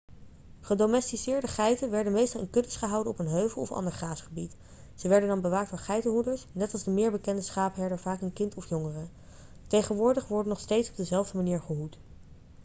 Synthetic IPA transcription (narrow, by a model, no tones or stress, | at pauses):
χədomɛstisɪːɹdəχɛjtənʋɛɹdənmejstɑlˠɪnkɵtəsχəɦɑwdənɔpənɦøɥvəlˠɔfɑ̰ndəɹχaːsχəbit | z̥əʋɛɹdəndɑnbəʋaːk̚doːɹχɛjtəɦudəɹsnɛtɑlˠzdəmɪːɹbəkɛndəsχaːpɦɛɹdəɹv̥aːkənkɪntɔfjʊŋərə | tejχənʋʊːɹdəχʋɔɹdənɔχstejtsɔ̥b̚dəzɛlˠvdəmaniːɹχəɦut